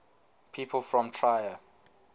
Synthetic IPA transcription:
pʰipʰəlfɹɔ̃mtʰɹajə

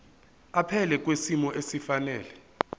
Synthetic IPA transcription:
apʰɛlɛk̬ʼwesimɔʔesifanɛːlɛ

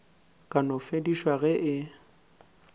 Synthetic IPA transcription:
kʼanʊfediʃwaɣɛʔɪ

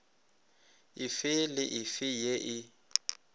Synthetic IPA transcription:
ɪfɪlɪʔɪfɪjeʔɪ

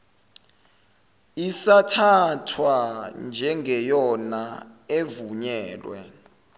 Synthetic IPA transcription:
isatʰatʰwand͡ʒʱɛŋʱɛjɔnaevuɲɛːlwɛ̰

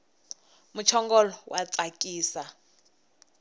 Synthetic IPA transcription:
mut͡ʃʰɔŋɡɔlɔwat͡sʼakʼiːsa

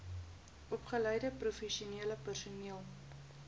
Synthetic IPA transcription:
ʔɔpχəlœjdəprufɛʃiuniələpərsuniəlˠ

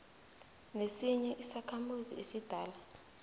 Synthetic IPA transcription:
nesiɲɛʔisakʰamuziesid̥ʱaːla

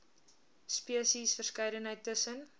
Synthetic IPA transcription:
spiəsisfərskɛjdənɦəjtːəsən

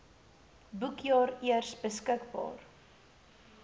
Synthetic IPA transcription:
bukjɑːɾiərsbəskəkbɑ̰ːr

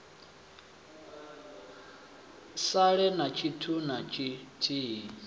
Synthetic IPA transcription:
saɺɛnat͡ʃʰitʰunat͡ʃʰitʰiː

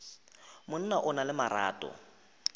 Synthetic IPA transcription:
mʊn̩naʔʊnalɪmaɾa̰ːtʼɔ̰

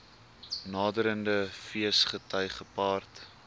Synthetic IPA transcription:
nɑːdəɾəndəfiəsχətœjχəpɑːrt

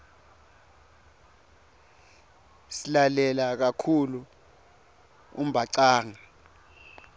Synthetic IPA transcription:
silalɛlak̬akʰulu | ṵm̩bʱaǀaːŋa

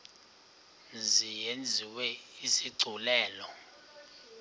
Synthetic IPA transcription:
zijend͡zʱiwɛisiɡ͡ǀʱulɛːlɔ

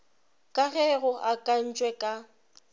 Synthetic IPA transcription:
kʼaɣɛɣʊʔakʼan̩t͡ʃʼwɛkʼa

